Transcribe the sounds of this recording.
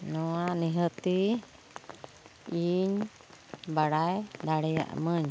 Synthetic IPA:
nũãnĩɦət̪i | iɲ | baɾajd̪aɾea̰ʔmə̃ɲ

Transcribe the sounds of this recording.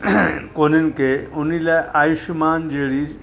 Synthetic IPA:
koninkeunilaʔajuɕmand͡ʑeɽi

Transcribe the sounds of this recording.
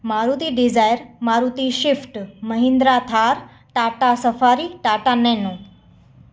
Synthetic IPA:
maɾut̪iːɖid͡zajɾmaɾut̪iɕifʈməɦĩnd̪ɾat̪ʰaɾ | ʈaʈasəfaɾiʈaʈanɛnu

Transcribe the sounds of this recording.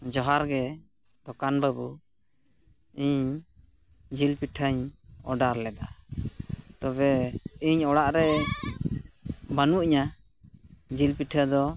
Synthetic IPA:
d͡ʒɔɦaɾɡɛ | d̪ɔkanbabu | iɲ | d͡ʒilpiʈʰəɲɔ̰ɖaɾlɛd̪a | t̪ɔbɛiɲɔɽaʔɾɛ | banuʔiɲa | d͡ʒilpiʈʰəd̪ɔ

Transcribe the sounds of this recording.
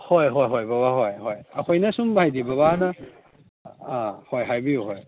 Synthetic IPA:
hojɦojɦojbaβaɦojhojɐkʰojnɐsumbajdibɐβanɐ | hojɦajbijuɦoj

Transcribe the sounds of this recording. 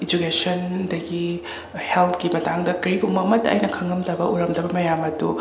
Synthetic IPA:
id͡ʒukesɐndɐɡi | heltʰkimɐtaŋdɐkɐɾikɡuŋmɐmɐtːɐ̰ːjnɐkʰɐŋɡɐmdɐbɐʔuɾɐmdɐbɐmɐjamɐdu

